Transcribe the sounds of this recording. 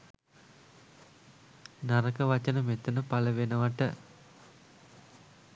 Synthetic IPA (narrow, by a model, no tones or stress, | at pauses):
nɐɾɐkɐʋɐt͡ʃɐnɐmet̪ːɐnɐpɐɭɐʋenɐʋɐʈːɐ